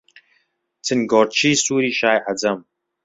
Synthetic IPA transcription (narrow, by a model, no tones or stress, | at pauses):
t͡sʰɨnɡoːɾt͡ʃʰiːsuːɾiːʃaːjʔɐd͡zɐm